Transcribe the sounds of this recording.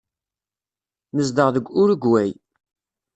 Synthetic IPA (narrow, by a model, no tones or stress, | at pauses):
məzd̪əʁðəɡʷʊɾəɡwæj